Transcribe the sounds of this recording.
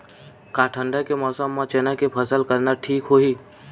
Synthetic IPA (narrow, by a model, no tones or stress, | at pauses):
kãːʈʰə̃ɳɖəkemɔːsəmːãt͡ʃeːnakepʰəsəlkəɾnaʈʰiːkɦoːɦiː